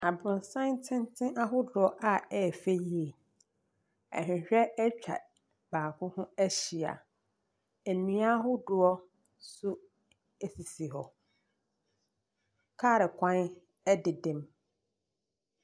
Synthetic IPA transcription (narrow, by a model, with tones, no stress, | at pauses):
a˨bɾʊ̃˨n˨sã˦ntʰɪ̃˦ntʰɪ̃˦ʔa˦ɦʊ˦dʊ˨ɔ˦ʔa˦ɛ˦˨fe˦ji˦e˨ | ɛ̰˨hᶣɪ̃˨ɕᶣɛ˦ɛ˦t͡ɕᶣʰa̰˨ | b̥aː˨kʰʊ̃˦hʊ̃˦æ˦ɕi˨a̰˨ | e˨nĩ˨˦a˦ɦʊ˦dʊ˨ɔ˦ | sʊ˦ | e˨si˨si˨ɦɔ˨ | kʰaː˦˨ɾɪ˨kʰʷã˦n | ɛ˦dɪ˨dɪ̃˨m